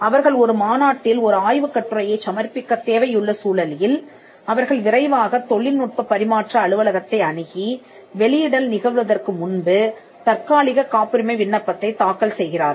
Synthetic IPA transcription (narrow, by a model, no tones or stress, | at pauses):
ɐʋɐɾɣɐɭɔɾɯmaːnaːʈːɪlɔɾɯaːjʋɯkːɐʈːɯɾɐjɐɪsɐmɐrpːɪkːɐt̪ːeːʋɐjʊɭːɐsuːlɐljɪl | ɐʋɐɾɣɐɭʋɪrɐɪʋaːɣɐt̪ːɔɭːɪlnʊʈ̚pɐpːɐɾɪmaːʈrɐːɭɯʋɐlɐɣɐt̪ːɐɪɐɳɯɣi | ʋɛɭɪjɪɽɐlnɪɣɐʋɯʋɐðɐrkɯmʊnbɯ | t̪ɐɾkaːɭɪɣɐkaːpɪɾɯmɐɪʋɪɳːɐpːɐt̪ːɐɪt̪aːkːɐlsɛjɣɪraːɾ